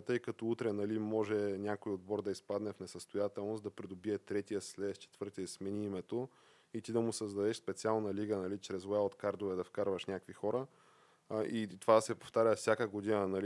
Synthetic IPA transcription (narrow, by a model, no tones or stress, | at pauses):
t̪ɤjkət̪ɔut̪ɾɛnɐlimːɔʒɛnʲakoiod̪̚bɔɾd̪ɐispad̪nɛfnɛsəst̪ojat̪ɛlˠnosd̪ɐpɾid̪obiɛt̪ɾɛt̪iəslɛst͡ʃɛ̥t̪vɤɾt̪iəsmɛniimɛt̪o | it̪id̪ɐmʊsəzd̪ɐd̪ɛʃspɛt̪sialˠnɐliɡənɐlit͡ʃɾɛzɛlˠt̪kaɾd̪ovɛd̪ɐfkaɾvəʃnʲakvixɔɾə | ʔit̪ovad̪ɐsɛpoft̪aɾʲəfsʲjakəɡod̪inənɐli